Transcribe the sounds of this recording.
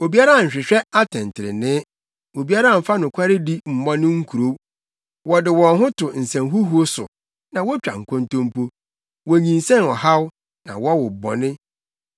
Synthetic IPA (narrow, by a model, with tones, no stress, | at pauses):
o˨bi˦a˦ɾa˦˨ɲ̩˨ɕᶣɪ˨ɕᶣɛ˦a˦tʰɪ̃˨n˨tʰɪ˨ɾɪ̰˨nɪ̃˦ | o˨bi˦a˦ɾa˦˨m̩˨fa˦nʊ̃˨kʷʰa˦ɾɪ˦di˦m̩˨mɔ̃˦nʊ̃˦ŋ̩˦kʰu˨ɾo˦ | wɔ˨dɪ˨wɔ̃˨nɦʊ̃˦tʰʊ˨n̩˨sɛ̃˨mɦu˦hu˦o˦sʊ̰˨ | nã˨wɔ˦t͡ɕᶣa̰˨ŋ̩˨kʰɔ̃˦ntõ˦m˦pʰo˦ | wɔ˨ɲĩ˨n̩sɛ̃˦nɔ˨ha˦w | nã̰˨wɔ˦wʊ˨bɔ̰˨nɪ̃˦